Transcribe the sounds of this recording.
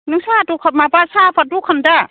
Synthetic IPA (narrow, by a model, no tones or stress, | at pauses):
nɯŋsatukʰamapasapʰadukʰanda